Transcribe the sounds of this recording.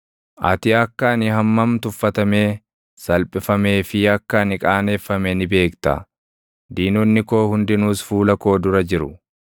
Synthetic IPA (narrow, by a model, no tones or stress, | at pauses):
ʔɐ̰t̪ɪɐkːɐnɪɦɐmːɐmt̪ʊfːɐt̪ɐme̞ː | sɐlpʼɪfɐme̞ːfɪɐkːɐnɪkʼaːne̞ːfːɐmenɪbe̞ːkt̪ɐ̰ | d̪iːnɔnːɪko̞ːhʊnd̪ɪnuːsfuːlɐko̞ːd̪ʊɾɐd͡ʒɪɾʊ